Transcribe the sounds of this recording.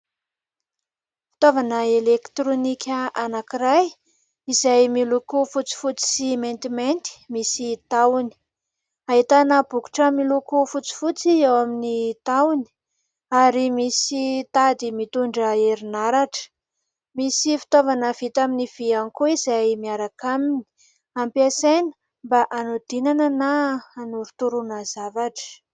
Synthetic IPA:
fi̥t̪ovanəelekt̪ɾonikʲəʔanakiɾaj | izajmilukufut͡si̥fut͡si̥siment̪iment̪i̥misit̪awni̥ | aɦit̪anəbuku̥ʈ͡ʂəmilukufut͡si̥fut͡siewaminit̪awni̥ | aɾimisit̪ad̪imit̪uɳɖ͡ʐəeɾinaɾaʈ͡ʂə̥ | misifi̥t̪ovanəv̥it̪aminiv̥ianikuizajmiaɾakamini̥ | ampasenə̥ | mbaʔanud̪̥inanənaanuɾut̪uɾunəzavaʈ͡ʂə̥

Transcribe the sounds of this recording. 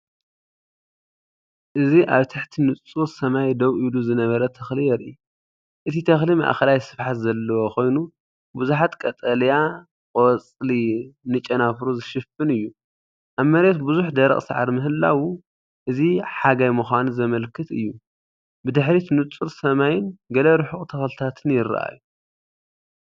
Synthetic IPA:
ʔɨziʔaβt̪ʰɨħt̪ʰinɨt͡sʼuɾsɐmajd̪ɐwʔiluzɨnɐβɐɾɐt̪ʰɐxlijɛɾʔi | ʔɨt̪ʰit̪ʰɐxlimɐ̰ʔaxɐlajsɨ̥fħat̪zɐlːɐwokʰo̞jnu | bɨzuħat̪kʼɐt̪ʼɐlja | kʼot͡sʼlinɨt͡ʃʼːɐnafɾuzɨʃɪfɨnɨjːu | ʔaβmɐɾe̞t̪bɨzuħd̪ɐɾɐ̰χʼsa̰ʕa̰ɾmɨɦɨlːa̰wu | ʔɨziħaɡajmɨxʷanzɐmɐlkʰɨt̪ʰɨ̰jːu | bɨd̪ɨħɾit̪nɨt͡sʼuɾsɐmajɪnɡɐlɐɾɨħuxʼt̪ʰɐxlt̪ʰat̪ʰɨnjɪɾa̰ʔa̰jːu

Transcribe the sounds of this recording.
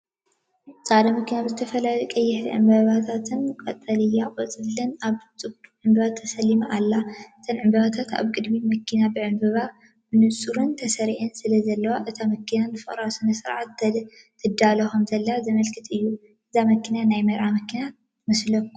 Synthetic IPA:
t͡sʼad̪ɐmɐkʰinabɨzɨt̪ʰɐfɐlajkʼɐjːɪħʕɨ̰mbɐβat̪ʰat̪ʰɨnkʼɐ̰t̪ʼːɐlɨjakʼɔt͡sʼɨlɨnaβt͡sʼɨb̚t̪uʕɨmbɐβat̪ʰːɐsɐlːimaʔalːaʔɨt̪ʰɐnʕɨmbɐβat̪ʰat̪ʰa̰βkʼɨd̪mimɐkʰinabɨʕɨmbɨβa | bɨnɨsʼuɾɨnt̪ʰɐsɐɾiʕɨnsɨlɐzɐlːɐwaʔɨt̪ʰamɐkʰinanɨfɨχʼɾawsɨnɐsɨɾʕat̪ʰː | ɨd̪alɐxomzɐlːɐazɐmɐlkʰɨt̪ʰʼɨjːu | ʔɨzamɐkːinanajmɐɾʕamɐkʰina | mɐslɐkːu

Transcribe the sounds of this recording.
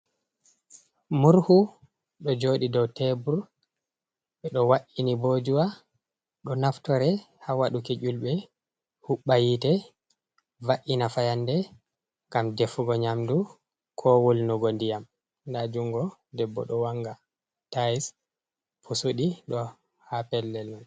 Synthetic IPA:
muɾhu | ɗɔd͡ʒoːɗidɔwtɛbuɾ | ɓɛɗɔwaʔinibod͡ʒuwa | ɗɔnaftɔɾɛ | hawaɗuked͡ʒulɓɛ | huɓːajitɛ | vaʔinafajandɛ | ɡamdefuɡɔɲamdu | kʰɔwulnuɡondijam | ndad͡ʒuŋɡɔdɛbːɔ̰ɗɔwaŋɡa | tajis | pʰusuɗiɗɔ | hapɛlːɛlːɔn

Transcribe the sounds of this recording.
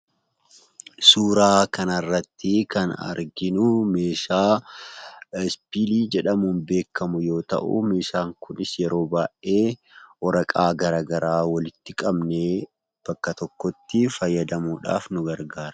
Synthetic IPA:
suːɾaːkɐnɐrːɐt̪ːɪkɐnɐ̰ɾɡɪnʊme̞ːʃaː | spiːliːd͡ʒɛᶑɐmunbe̞ːkːɐmʊjo̞ːt̪ɐ̰ʔṵmeːʃaːŋkʊnɪsjɛɾo̞ːbaːʔe̞ːʔɔɾɐkʼaːɡɐɾaːɡɐɾaːwɐlɪt̪ːɪkʼɐbneː | b̥ɐkːɐt̪ɔkːɔt̪ːɪfɐjːɐd̪ɐmuːᶑa̰ːfnʊɡɐɾɡaːɾɐ̥

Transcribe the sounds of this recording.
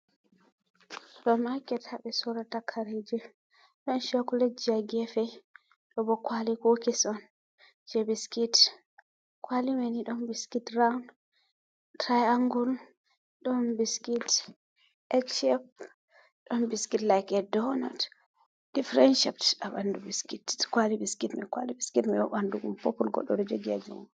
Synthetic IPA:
ɗɔmakɛtaɓɛsɔɾatakʰaɾed͡ʒɛ | ɗɔnʃakulɛd͡ʒaɡɛfɛ | ɗɔbɔkwalikokisɔn | d͡ʒɛbiskit | kwalimɛniɗɔnbiskitɾawn | tɾajaŋɡul | ɗɔnbiskit | ʔɛkʃɛp̚ | ɗɔnbiskitlajkɛdɔnɔ̰t | d̥ifɾɛnʃip̚tɗabandubiskitkwalibiskitmikwa̰libiskitmɛɗɔɓanduɡṵmpɔkːulɡɔ̰ɗːɔɗɔd͡ʒɛɡiad͡ʒṵm

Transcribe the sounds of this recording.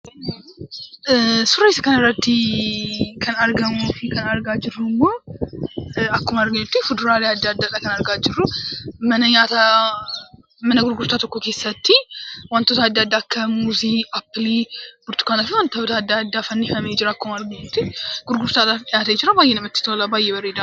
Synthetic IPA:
suɾeskɐnɐɾɐt̪ːi | kʰənaɾɡɐmːofikʰɐnaɾɡad͡ʒɪrumːo | akːomaɾɡəɲːʊt̪ːifɨd̪ɾalad̪ːad̪ːak̪ʼaknaɾɡad͡ʒɪrːumənəɲat̪ʰa | mənəɡʊɾɡuɾt̪ʰat̪ʰokːokesɐt̪ʰːiwant̪ːot̪ʰaːd̪ːad̪ːakʰːɐmuziapːlib̥uɾt̪u̥kʰʷanafiwant̪əwt̪ʰad̪ːad̪ːafɐnːifɐmɛd͡ʒɪɾakʰːomaɾɡəɲːot̪ːiɡ̥ʊɾɡʊɾt̪ʰat̪ajat̪ɐjɪt͡ʃɪɾabajːɛnɐmɐt̪ːi̥t̪ːwlabajːɛbɐɾed̪a

